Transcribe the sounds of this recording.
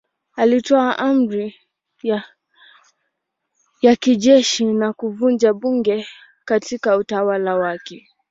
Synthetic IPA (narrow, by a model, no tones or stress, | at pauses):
alitɔaʔam̩ɾi | ja | jakiʄɛʃinakuvund͡ʒaɓuŋɡɛ | katikautawalawakɛ